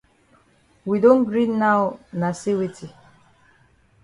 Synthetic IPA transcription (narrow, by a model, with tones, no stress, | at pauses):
wi˨dõ˦n̩ɡɾi˦nːa˦ʊ˦na˨si˦wi˦ti˨